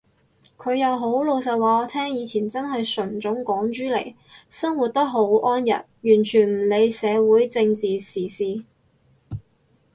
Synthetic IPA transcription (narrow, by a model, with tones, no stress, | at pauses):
kʰɵ˨˧ɥjɐ˨˧wɦo˨˥wlo˨˧wsɐ˨t̚wɔː˨˧t̪ʰɛː˥ŋjiː˨˧t͡sʰiː˨˩nt͡sɐ˥nɦɐ˨jsɵ˨˩nt͡sʊ˨˥ŋkɔː˨˥ŋt͡ʃyː˨˥le˨˩j | sɐ˥ŋwu˨˩t̚t̪ɐ˥ɦo˨˥wʔɔː˥njɐ̰˨˩t̚jyː˨˩nt͡ʃʰyː˨˩nm̩˨˩le˨˧jsɛː˨˧wuː˨˥jt͡sɪ˧ŋt͡siː˨siː˨siː˧